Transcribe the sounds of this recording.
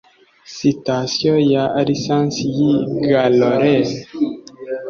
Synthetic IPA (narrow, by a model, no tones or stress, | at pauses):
sitasiojaɾisãnsijiɡaloɾes